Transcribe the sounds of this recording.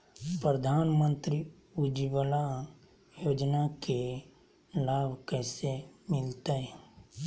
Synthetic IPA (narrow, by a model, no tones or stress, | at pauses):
pɾəd̪ʱaːnmə̃nt̪ɾi | ud͡ʒibəla | joːd͡ʒnake | laːbʱkɛːsemɪlt̪aɦɛ